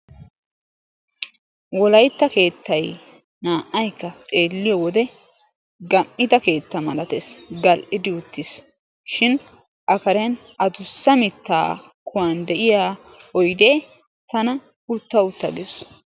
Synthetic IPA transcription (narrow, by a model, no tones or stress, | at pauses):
wɔlɐjt̪ːɐke̞ːt̪ːɐj | naːʔːɐjkːɐt̪ʼe̞ːlːɪjɔwɔd̪ɛ | ɡɐmːɪt̪ɐke̞ːt̪ːɐmɐlɐt̪esɡɐlʔɪd̪ɪʊt̪ːɪs | ʃɪn | ʔɐkɐɾɛn | ɐd̪ʊsːɐmɪt̪ːa̰ː | kʊwand̪ɛʔɪjaː | ɔjd̪eː | t̪ɐnɐ | ʊt̪ːɐʊt̪ːɐɡes